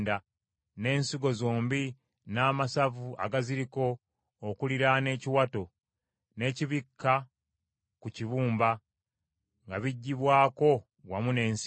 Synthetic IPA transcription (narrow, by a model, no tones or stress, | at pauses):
da | ne̞ːnsiɡo̞zo̞ːmbi | naːmasavua̰ɡaziɾiko̞ː | kuliɾane̞ːciwato̞ | ne̞ːciβikːa | kuciβuːmba | ŋɡaβiɟːiβwaːko̞ | wamune̞ːns